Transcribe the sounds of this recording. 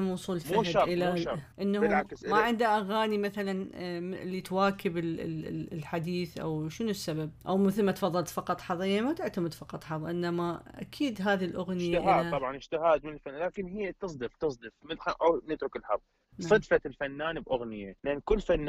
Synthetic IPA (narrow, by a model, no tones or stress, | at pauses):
mwʊsˤuːlfmuaɪlːaʔɪnːahlʕaksmaʕɪnd̪aʔaɣaːnimaθalanɪlːit̪waːkɪbɪllħad̪iːθʔa̰wʃɪnusːabab̚ʔawmɪθɪlmat̪fɑðˤːɑlt̪fɑqɑt̪ˤħɑðˤɪjːamat̪ɪʕt̪amɪd̪fɑqɑt̪ˤħɑðˤʔɪnːamaʔa̰kʰiːd̪ɦaːðilʔʊɣnɪjaʔhaːaɑʕɑnɪd͡ʒt̪ɪhaːd̪mɪnɪlfanːalaːkɪnɦɪjːat̪ɨs̬ˤd̪ɨft̪ɨsˤd̪ɨfmɪħaʔawnɪt̪ɾʊkɪlħɑðˤ | sˤɨd̪falfanːaːnbʔʊɣnɪjalɪʔɪnkʊlːfanː